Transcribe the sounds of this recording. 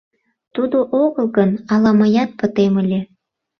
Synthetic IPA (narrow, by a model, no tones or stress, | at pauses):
t̪ud̪oʔoɣəlˠɣənɑlɑməjɑt̪̚pət̪eməlʲe